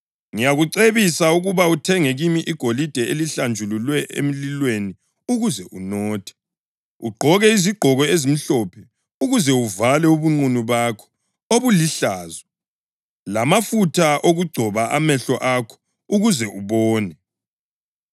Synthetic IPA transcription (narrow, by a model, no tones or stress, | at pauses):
ŋijaɣuǀeβisauɣuβautʰɛŋeɣimiʔiɡ̥ʱolid̥ʱɛeliɬand͡ʒʱululwɛʔḛm̩lilweni | uɣuzɛʔunɔːtʰɛ̥ | ṵɡ͡ǃʱɔɣɛiziɡ͡ǃʱɔɣɔezim̩ɬɔpʰɛ | uɣuzɛuvalɛuβuŋ͡ǀunuβakʰɔ̥ | oβuliɬaːzɔ | lamafutʰaʔoɣuɡ͡ǀʱɔβaʔa̰mɛɬɔʔakʰɔ̥ | uɣuzɛuβɔːnɛ